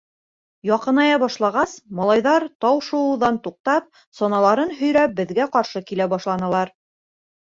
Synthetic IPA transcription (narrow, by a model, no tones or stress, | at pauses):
jɒqɤ̆nɑjɑbɒʃlˠɑʁɑsmɑlˠɑjðɑɾt̪ɑwʃŏwɤ̆ðɑnt̪uq̚t̪ɑp̚ | sɒnɑlˠɑɾɤnɦɵ̆jɾæp̚bɘ̆ðɡæqɑɾʃɤkilæbɒʃlˠɑnɤ̆lˠɑɾ